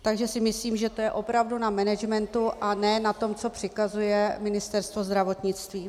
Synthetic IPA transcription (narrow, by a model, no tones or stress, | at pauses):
t̪aɡʒɛsɪmɪsliːmʒɛt̪o̞jɛʔo̞pɾavdunamɛnɛd͡ʒmɛnt̪uʔanɛːnat̪o̞mt͡so̞pr̝̥ɪkazujɛmɪnɪst̪ɛɾst̪vozd̪ɾavo̞t̪ɲɪt͡st̪viː